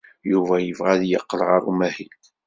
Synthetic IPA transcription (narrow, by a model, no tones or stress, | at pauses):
juvæjəvʁæðjəqːlʁɑɾˤṵmæhilk